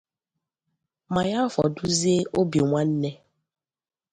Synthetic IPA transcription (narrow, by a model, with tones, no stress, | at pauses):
ma˨ja˦fɔ̰˨du˦ze˦ʔo˦bi˨ŋʷa˦n̩˦ne˦